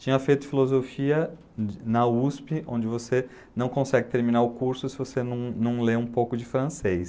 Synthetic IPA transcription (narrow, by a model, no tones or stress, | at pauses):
t͡ʃĩɲɐfejt̪ʊfilozofiɐ | nɐuspɪʔõ̰nd͡ʒɪvose | nɐ̃w̃kõsɛɡɪt̪eɾmĩnaɾʊkuɾsʊsɪvosenɐ̃w̃nɐ̃w̃leũpowkʊd͡ʒɪfɾɐ̃sejs